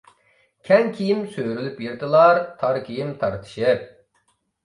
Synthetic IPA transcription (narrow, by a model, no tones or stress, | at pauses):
kʲʰɛnkʲʰijimsøjɾylypjiɾd̪ɨlˠɑɾt̪ʰɑɾkʲʰijimt̪ʰɑɾt̪ʰɨ̥ʃɨp̚